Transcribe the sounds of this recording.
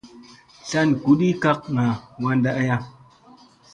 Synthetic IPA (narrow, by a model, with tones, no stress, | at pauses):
ɬa˦nku˨˦ɗi˦ka˦k̚ŋa˨wa˧nda˦ʔa˦ja˦